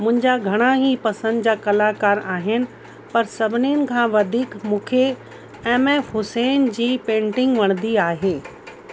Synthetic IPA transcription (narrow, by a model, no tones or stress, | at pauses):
mʊ̃ɦɪ̃ɲd͡ʑaɡʱɐɽ̃aɦipɐsə̃nd̪d͡ʑaːkɐlakaːɾaːɦɪnɪ̆ | pɐɾsɐbʱɪniənɪ̆kʰãːʋɐd̪ʱiːkmũːkʰe | ɛ̃ːmɛ̃hʊsɛːnd͡ʑiːpẽːɳʈɪ̃ŋɡʋɐɽ̃nd̪iaːɦeː